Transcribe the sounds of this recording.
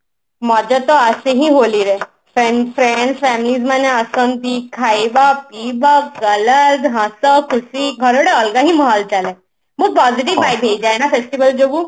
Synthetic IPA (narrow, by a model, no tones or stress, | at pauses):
məd͡ʑat̪ɔəseɦĩːɦoliːɾe | fɾeɳfɾeɳɖsfɛmlid͡zməneəsənt̪iːkʰaibapibakɡələt̪ɦãsəkʰːusiːɡʱəɾʋɽeəlɡaɦĩːməɦalt͡sale | məɡ̚pɔd͡ziʈ̬iʋbajbʱed͡ʑajnafesʈiʋəld͡ʑoʋuː